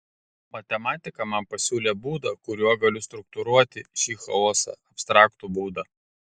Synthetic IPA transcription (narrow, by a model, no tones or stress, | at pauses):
mɐt̪ʲɛmɑːt̪ʲɪkɐmɐmpɐsʲuːlʲeːbuːd̪ɐkʊɾʲuɔɡɐlʲʊst̪ɾʊk̚t̪ʊɾuɔt̪ʲɪʃʲiːxɐoːsɐ̰ɐpʲst̪ɾɑːkt̪ubuːd̪ɐ